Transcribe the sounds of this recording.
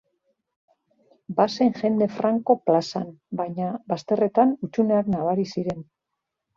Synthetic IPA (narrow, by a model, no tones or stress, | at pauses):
baseŋʝe̞nd̪e̞fɾaŋko̞plasa̰nbajɲabast̪e̞re̞t̪anut͡ʃuneaknaβ̞aɾisiɾe̞n